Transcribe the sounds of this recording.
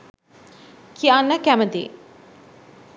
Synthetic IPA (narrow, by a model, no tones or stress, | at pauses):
kʰianːəkæməd̪ḭː